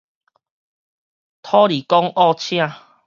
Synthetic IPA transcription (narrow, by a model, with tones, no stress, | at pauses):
t̪ʰɔ˦li˨˩kɔ˦ŋɔ˥˧˨t͡ɕʰj̃ã˥˧˨